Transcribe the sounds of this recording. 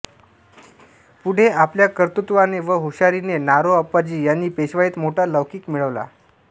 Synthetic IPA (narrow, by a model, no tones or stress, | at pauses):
puɽ̤eapljakəɾt̪ut̪ʋaneʋəɦuɕaɾinenaɾoəpːad͡ʑiːjanːiːpeɕʋaiːt̪moʈaləʋkiːkmiɭəʋla̰